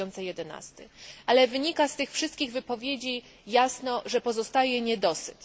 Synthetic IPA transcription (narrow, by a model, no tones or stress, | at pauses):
ɔnt̪sɛjɛd̪ɛna̰st̪ɘʔalɛvɘɲikast̪ɘxfʂɘst̪kʲiɣvɘpɔvʲjed͡ʑi | jasnɔʐɛpɔzɔst̪ajɛɲɛd̪ɔsɘ̰t